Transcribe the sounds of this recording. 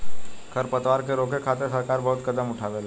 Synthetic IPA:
kʰɐɾpɐt̪ʋaːɾkeɾoːkekʰaːt̪esɐɾkaːɾbɐɦʊt̪kɐd̪əmʊʈʰaːʋelː

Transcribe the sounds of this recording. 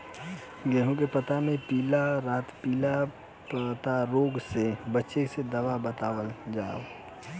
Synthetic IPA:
ɡɛɦõkepət̪amẽpiːlaɾaːt̪piːla | pt̪aɾoːɡsebətːʃesed̪əʋabət̪aːwəld͡ʒaːo

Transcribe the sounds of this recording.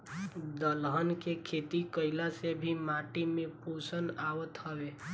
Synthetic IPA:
d̪əlɦənkekʰeːt̪ikəɪlasebʱimaʈimẽpusənaʋət̪ɦəʋe

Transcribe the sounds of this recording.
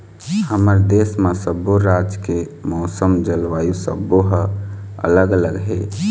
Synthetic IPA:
həməɾd̪esmasəboɾad͡ʒkemɔʊsəmd͡ʒəlʋajusə̰bːoɦəə̰ləɡələɡɦe

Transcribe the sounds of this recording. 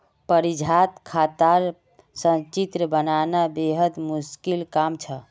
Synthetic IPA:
pəɾid͡ʒʱat̪kʰat̪aɾ | sə̃nt͡ʃit̪ɾəbənanabeɦəd̪muskilkamt͡ʃʰə

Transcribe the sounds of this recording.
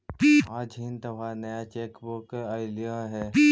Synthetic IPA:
piːaːd͡ʒɦint̪ɐʋanɐjat͡ʃeːkbokaːɪlijãɦɛːpiː

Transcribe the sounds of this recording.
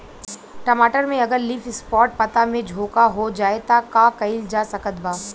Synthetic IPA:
ʈɐmaːʈəɾmẽɐɡəɾliːfɪspɔːʈ̚pɐt̪amẽd͡ʒʱoːkaɦod͡ʒaːet̪akaːkɐɪld͡ʒaːsɐkət̪̚baː

